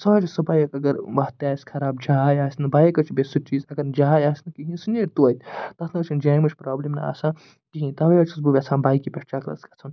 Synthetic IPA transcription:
sɐ̃ːt͡ʃʰisɐbajɐkɐɡɐɾʋɐt̪aːsʲkʰɐɾaːbd͡ʒaːjaːsnɐbaːjekɐt͡ʃʰbesut͡ʃiːzɐɡɐɾd͡ʒajaːsʲnɐkiɦĩnsuneɾʲt̪uɐt̪ʰʲt̪ɐt̪ʰnɐɐt͡ʃʰind͡ʒaːmɐt͡ʃʰpɾaːblimnɐa̰ːsãː | kiɦĩt̪ɐʋɐjɐt͡ʃʰus̬bubʲɐt͡sʰãːnbaːjkipʲeʈt͡ʃaːklɐ̰skʲɐt͡sʰɐn

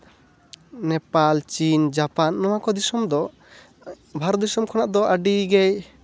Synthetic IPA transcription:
nɛpalt͡ʃind͡ʒapanːɔwakɔd̪isɔmd̪ɔ | bʱaɾɔt̪d̪isɔmkʰɔnaʔd̪ɔʔaɖiɡɛj

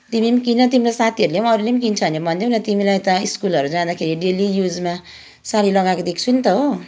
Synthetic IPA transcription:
t̪imimkinʌt̪imilajsat̪ʰiʌɾulemʌɾulemikint͡sʰʌnebʌnd̪ẽnʌt̪imilajt̪ʌiskulʌɾud͡zãd̪akʰeɾiɖelijud͡zma | saɾilʌɡakod̪ekʰt͡sʰunt̪ʌɦo

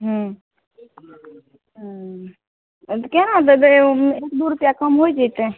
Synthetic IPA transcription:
ɦə̃ | ɦ | kenat̪d̪ekd̪uɾupjakəmɦojd͡ʒajt̪e

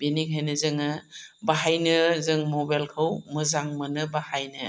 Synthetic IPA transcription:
beniŋɦajnɯzɯŋɯbaɦajnɯzɯŋmobajlkʰawmɯzaŋmɯnɯbahajnɯ

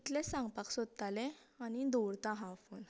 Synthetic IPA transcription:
it̪lesãŋɡpaksɔd̪̚t̪alẽ | anid̪oɽt̪aɦãfuːn

